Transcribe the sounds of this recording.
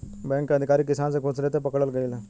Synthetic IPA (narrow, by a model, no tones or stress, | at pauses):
bɛ̃kəd̪ʱikaɾiːk̬isãnt͡sekʰot͡slet̪epəkɽəlɡelila